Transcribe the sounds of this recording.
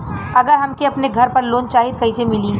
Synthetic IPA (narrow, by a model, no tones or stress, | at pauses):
ɐɡəɾɦɐmkiɐpneɡʱɐɾpɐɾloːnt͡ʃaːɦɪd̪̚kɐisemɪli